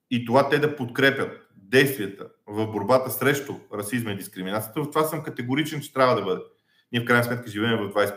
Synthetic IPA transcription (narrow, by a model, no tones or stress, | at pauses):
it̪ovat̪ɛd̪ɐpot̪kɾɛpʲət̪̚ | d̪ɛjst̪vʲiɐt̪ə | vɐvboɾbat̪əsɾɛʃt̪ʊɾɐsizmɐid̪iskɾiminat̪sijə̥t̪əvɐft̪ovasəmkɐt̪ɛɡoɾit͡ʃɛnt͡ʃɛ̥t̪ɾʲavəd̪ɐbɤd̪ɛ | niɛfkɾajnsmɛt̪kəʒivɛːmɛvɐvd̪vajs